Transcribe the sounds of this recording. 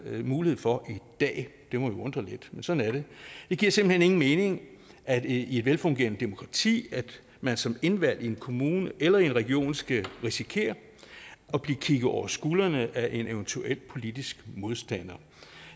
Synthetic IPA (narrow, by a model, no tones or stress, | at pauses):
muːlihe̝̰fɒ̽ʔid̥ɛ̰ːd̥e̝mɒ̽ʋiɔ̽nd̥ʁɐled̥mensɒ̽dn̩æɐɾe̝d̥e̝ɡ̥iɐ̰semb̥l̩hene̝ŋn̩me̝ːne̝ŋ | ʔæ̥ie̝d̥ʋelfɔ̽ŋɡ̥e̝̰ɐnəd̥emo̝kʰʁɑ̈t͡sʰḭːæd̥ | mænsɒ̽me̝nʋæl̰ie̝nkʰo̝muːnəʔelɐie̝nʁɛɡ̥io̝̰ːnsɡ̥æʁisikʰe̝̰ːɐ | ɒ̽b̥liɐkʰiɡ̥ð̩ˠɒʊ̰ɐsɡ̥uːlɐnəʔæʔe̝neʊnt͡sʰuel̰pʰo̝lid̥isɡ̥mo̝ð̞ˠsd̥æn̰ɐ